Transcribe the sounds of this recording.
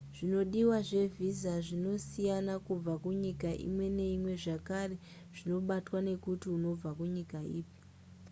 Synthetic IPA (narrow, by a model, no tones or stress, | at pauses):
ʐ̥ino̞ɗiwaʐe̞vizaʐino̞sijanakub͡vakuɲikaʔḭmwe̞ne̞imwe̞ʐakare̞ | ʐ̥ino̞ɓatwane̞kutiuno̞b͡vakuɲikaiːpi̥